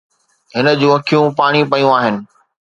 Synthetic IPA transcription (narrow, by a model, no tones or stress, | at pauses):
ɦɪnə̆d͡ʑũːɐkʰijũpaːɽ̃ipɐjũaːɦɪnɪ̆